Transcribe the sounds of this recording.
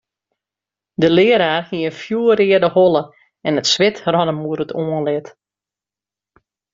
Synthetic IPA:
dəlɪəɾaːrhiənfjuəɾɪədəholˠə | ɛnətsʋɪtrɔnəmuəɾətʰoənlɪt

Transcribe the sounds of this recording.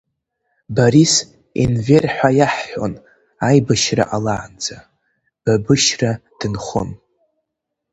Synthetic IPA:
baɾis | ḭnverħʷajaħːʷᶣo̰n | ajbaʃra̰ʔalaːnd͡za | b̥abɨʃrad̥ɨnχʊ̰n

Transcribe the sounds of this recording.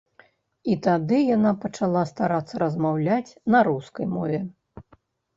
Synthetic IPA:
it̪ad̪ɨjanapɐt͡ʂalˠast̪aɾat̪sːɐɾɐzmawlʲat͡sʲnɐɾuskɐjmɔvʲɛ

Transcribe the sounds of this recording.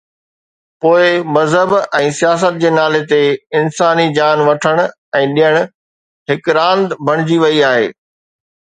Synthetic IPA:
poːɪmɐzɦəbɛ̃ːsijaːs̬ət̪̚d͡ʑeːnaːlet̪eɪnsaːnid͡ʑaːnʋɐʈʰəɽ̃ʊ | ɛ̃ːɗijəɽ̃ʊ | ɦɪkɾãːnd̪bʱɐɽ̃ɪd͡ʑiʋɐiaːɦḛː

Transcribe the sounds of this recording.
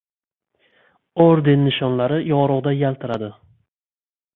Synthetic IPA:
oɾd̪enːɪʃɒnlaɾɪjɒɾʊʁd̪ajalt̪ʰɪɾad̪ɪ

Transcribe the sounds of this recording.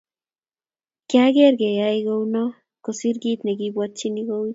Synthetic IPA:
kjaɡeɾɡejajɡowno | kosiɾɡit̪neɡibwat͡ʃiniɡowi

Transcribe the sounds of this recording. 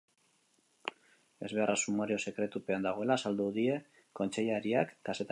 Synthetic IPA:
e̞zβe̞arasumaɾio̞se̞kɾe̞t̪upe̞and̪aɣ̞o̞e̞lasald̪uðie̞ | ko̞nt͡ʃe̞ʎaɾiakːase̞t̪

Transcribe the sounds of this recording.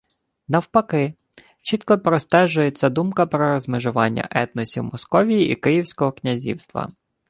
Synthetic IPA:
nɐwpɐkɪ | t͡ʃit̪kɔpɾɔst̪ɛʒʊjet͡sʲːɐd̪umkɐpɾɔɾɔzmeʒʊʋɑnʲːɐ̰ʔɛt̪nɔsʲiwmɔskɔʋʲijiʔikɪjiwsʲkɔɦɔknʲɐzʲḭwst̪ʋɐ̰

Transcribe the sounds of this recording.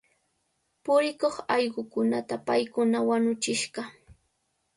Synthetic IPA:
pʊɾɪkoχɑjɢʊkʊnat̪apajkʊnawaɲʊt͡ʃɪʃɢɑ

